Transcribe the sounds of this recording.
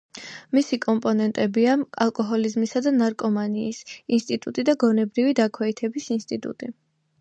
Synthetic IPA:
misikʼɔmpʼɔnɛnt̪ʼɛbiaa̰lˠkʼɔɦɔlizmisad̪anaɾkʼɔmaniːsinst̪ʼit̪ʼut̪ʼid̪aɡɔnɛbɾivid̪akʰwɛit̪ʰɛbisinst̪ʼit̪ʼṵt̪ʼi

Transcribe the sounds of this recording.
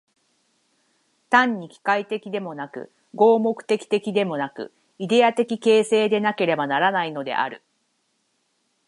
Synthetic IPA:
t̪ãɲ̟ːikʲi̥kait̪e̞kʲid̪e̞mo̞nakɯ̟̰ | ɡo̞ːmo̞kɯ̟̥t̪e̞kʲi̥t̪e̞kʲid̪e̞mo̞nakɯ̟̰ | id̪e̞at̪e̞kʲike̞ːse̞ːd̪e̞nake̞ɾe̞banaɾanaino̞d̪e̞̰ʔa̰ɾɯ̟

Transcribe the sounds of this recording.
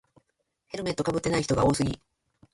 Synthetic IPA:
he̞ɾɯ̟me̞t̪ːo̞kabɯ̟t̪ːe̞naiçi̥t̪o̞ɡao̞ːsɨɡʲḭ

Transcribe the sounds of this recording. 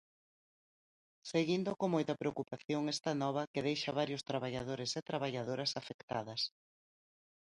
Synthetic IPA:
seɣind̪ʊkomojt̪ɐpɾeokupaθjoŋɛst̪anɔβ̞ɐkeðejʃɐβ̞aɾjʊst̪ɾaβ̞aʎaðoɾɪset̪ɾaβ̞aʎaðoɾɐsafekt̪aðɐs

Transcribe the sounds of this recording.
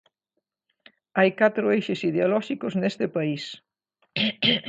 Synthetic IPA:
ajkat̪ɾʊejʃɪsiðeolɔʃikʊsnest̪ɪpais

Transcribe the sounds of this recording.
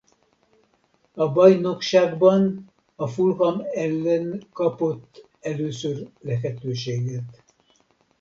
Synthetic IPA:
ɒbɒjno̞kʃaːɡbɒn | ɒfulɦɒmɛlːɛnkɒpo̞t̪ː | ɛløːsørlɛfɛt̪øːʃeːɡɛt̪

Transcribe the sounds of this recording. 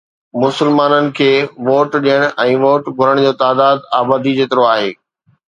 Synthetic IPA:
mʊsɪlmaːnənɪ̆kʰeːʋoːʈɗijəɽ̃ʔɛ̃ːʋoːʈɡʱʊɾəɽ̃d͡ʑoːt̪aːd̪aːd̪aːbaːd̪id͡ʑeːt̪ɪɾoaːɦeː

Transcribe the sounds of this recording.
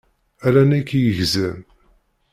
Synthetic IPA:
ælænækːijəʝzæm

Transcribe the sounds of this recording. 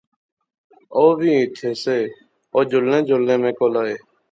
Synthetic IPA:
oːbʱĩːɪt̪ʰeːseː | oːd͡ʒʊlnẽːd͡ʒolːẽːmẽːkoːlaːeː

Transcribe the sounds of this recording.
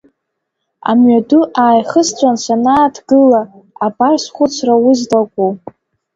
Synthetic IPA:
a̰mɥaduʔaːjχəst͡sʷʰʼansanaːtʰɡɨlaː | barsχʷʊt͡sʰrawʊzlakʷʼu

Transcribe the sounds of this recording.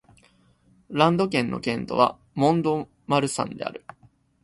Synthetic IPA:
ɾãnd̪o̞k̬ẽ̞nːʔo̞̰kẽ̞nt̪o̞̰βa̰ | mõ̞nd̪o̞ | maɾɯ̟sã̰nd̪e̞a̰ɾɯ̟

